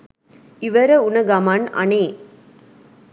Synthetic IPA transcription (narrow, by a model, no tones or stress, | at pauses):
ɪʋɐɾɐʊnɐɡamanɐ̰neː